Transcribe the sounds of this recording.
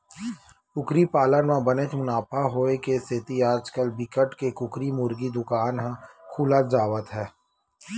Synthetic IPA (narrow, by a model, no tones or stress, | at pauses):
kʊkɾipaːlənmãbənet͡ʃmʊnaːpʰaɦoːekesɪt̪iaːd͡ʒkəlbɪkəʈkekʊkɾimʊɾɡid̪ʊkaːnɦãkʰuːlət̪d͡ʒaːʋət̪ɦɛː